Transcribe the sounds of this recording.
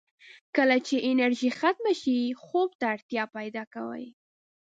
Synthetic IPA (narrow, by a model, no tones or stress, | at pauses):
kəlat͡ʃeʔɪnaɾʒixat̪̚maʃixob̚t̪aːɽt̪jɑpajd̪ɑkawə̰j